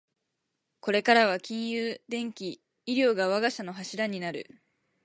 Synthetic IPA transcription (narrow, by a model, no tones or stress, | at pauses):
ko̞ɾe̞kaɾaβ̞akʲĩɰ̃jɯːd̪ẽ̞ŋkʲi | iɾʲjo̞ːɡaβ̞aɡaɕano̞ɦaɕiɾaɲ̟inaɾɯ̟̰